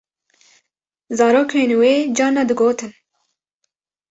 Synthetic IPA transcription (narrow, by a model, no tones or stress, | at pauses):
zɑːɾoːkʰeːnweːd͡ʒɑːnːad̪ɨɡoːt̪ʰɨn